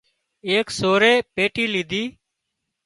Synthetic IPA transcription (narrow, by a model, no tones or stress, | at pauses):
eːksoːɾeːpeːʈiːliːd̪ʱiː